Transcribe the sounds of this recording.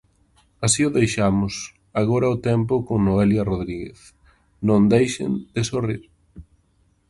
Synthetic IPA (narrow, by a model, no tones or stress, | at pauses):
asiʊðejʃamʊs | aɣoɾɐʊt̪ɛmpʊkoŋnoeljaroðɾiɣḛθ | nõnd̪ejʃḛnd̪̥esoriɾ